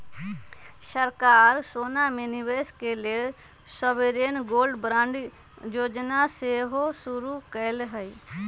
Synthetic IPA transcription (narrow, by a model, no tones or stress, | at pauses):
səɾkaːɾsoːnameniweskele | səʋeɾeːnɡoːlɖbɾãɳɖ | joːd͡ʒnaseɦosʊɾukəlɦə